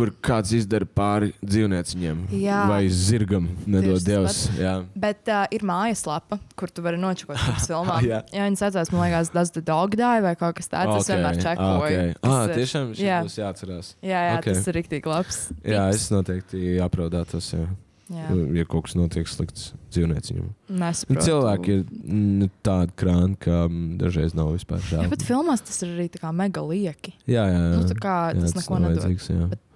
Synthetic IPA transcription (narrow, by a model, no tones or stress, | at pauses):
kuɾkʰaːt̪sizd̪ɐɾpaːɾid̪ziːwniɛt̪siɲiɛmjaːvajziɾɡamnɛd̪uɔd̪ɛwsjaːbɛt̪ːʔiɾmaːjɐslˠapɐkuɾt̪uvaɾinuɔt͡ʃu̥kuɔsfilˠmaːjaːjaːʋiɲsat̪zaːsmanlˠɛjɡaːsd̪azd̪ad̪ɔɡd̪aːjvajkawkḁst̪a̰ːoasʋeːmaːɾt͡ʃækːɔkjʲɛjaːt̪iɛʃaːmʃjaːsjaːt̪sɐɾaːsjaːjɔːtkʲeaɾik̚t̪iːɡ̥lˠapsjaːesnuɔt̪ɛɪk̚t̪iapɾaʊd̪aːt̪osjaː | jajakɔɔksnuɔt̪iɛkslˠḭk̚t̪sd̪ziːwniɛt̪sɪ̰ɲʲṵmnɛsɐ̥pnɾuːsilˠʋæːkiɾnut̪aːd̪kɾaːnkʰad̪a̰ʒɾɛjznawvispa̰ːɾʒæ̰bett̪filˠmast̪ɐ̥sɪɾaɾiːt̪akaːmɛɡɐlˠiɛkʲijaːjaːjjat̪akaːjaassnɛkuɔnajduɔziːksja̰ːbɛt̪